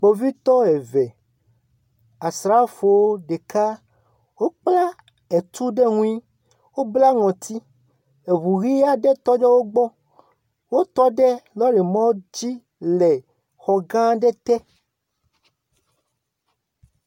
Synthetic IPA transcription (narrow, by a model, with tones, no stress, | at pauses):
k͡po˨vi˦t̪ɔ˦ɛ˨vɛ˨ | a˨sɾa˦fo˨wo˦ɖe˨ka˦ | wo˦k͡pla˦ | e˨t̪u˦ɖɛ˦ŋũ˦i˦ | wo˦bla˦ŋɔ̃˨t̪i˦ | e˨βu˨ɣi˦a˦ɖɛ˦t̪ɔ˦d͡ʒɛ˦wo˦ɡ͡bɔ˦ | wo˦t̪ɔ˦ɖɛ˦lɔ˦ɖɛ˨mɔ̃˦d͡ʑi˦ | lɛ˨ | xɔ˨ɡã˦ɖɛ˦t̪ɛ˦